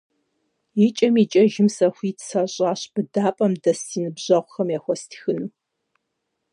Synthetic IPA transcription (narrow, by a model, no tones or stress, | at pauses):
ɪt͡ʃʼɐmit͡ʃʼɐʒɪmsɐxʷiːtsɐɕʼaːɕb̥ɨdaːpʼɐmdɐsinɨbʑ̥ɐʁʷxɐmjaːxʷɔstʰxɨnɨ